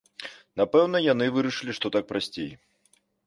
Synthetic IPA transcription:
napɛwnɐjanɨvɨɾɐʂɨlʲiʂt̪ɔt̪ak̚pɾasʲt͡sʲej

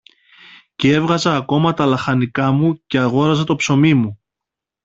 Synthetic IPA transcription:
cee̞vɣɐzɐːko̞mɐt̪ɐlɐxɐnikɐmuce̞ɐɣo̞ɾɐzɐt̪o̞pso̞mimu

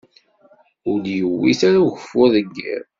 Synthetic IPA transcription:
ʊljəwːiθaɾaʝəfːʊðəɡːḭɾ

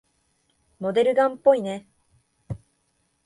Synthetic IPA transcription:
mo̞d̪e̞ɾɯ̟ɡãmpːo̞ine

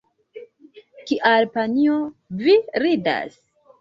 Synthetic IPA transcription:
kiʔalpanioviɾida̰s

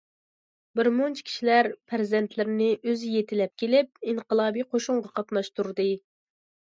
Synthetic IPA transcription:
bɪɾmont͡ʃʰkʲʰi̥ʃilæɾpʰæɾzɛnt̪ʰlɪɾnɪʔøzɪjet̪ʰɪlɛp̚kʲʰelɪp̚iɴqəlˠɑːbijqʰoʃuɴʁɑqʰɑt̪mɑʃt̪uɾd̪ɨ

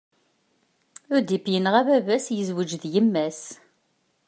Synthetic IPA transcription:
ʊɾd̪ipjənʁævævæsjəzwəd͡ʒðjəmːæs

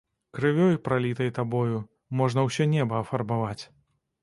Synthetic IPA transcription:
kɾɨvʲɔjpɾalʲit̪ɐjt̪abɔju | mɔʐnɐwsʲɛnʲɛbɐːfɐrbavat͡sʲ

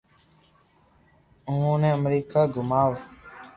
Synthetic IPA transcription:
ŋunɛmɾikaɡumawa

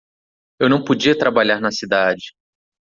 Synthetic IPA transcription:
ewnɐ̃w̃pod͡ʒiɐt̪ɾabaʎaɾnɐsid̪ad͡ʒɪ

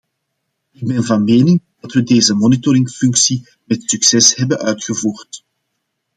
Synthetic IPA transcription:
ɪɡ̚bɛnvɑnmeːnɪŋdɑtʋədeːzəmɔnitɔɾɪŋfʏŋksi | mɛtsyksɛshɛbənœɥtxəvuːrt

